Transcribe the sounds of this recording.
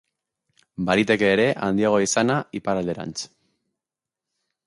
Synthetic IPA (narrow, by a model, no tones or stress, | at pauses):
baɾit̪e̞ke̞ːɾe̞ʔa̰nd̪iaɣ̞o̞isanaipaɾald̪e̞ɾa̰nt͡s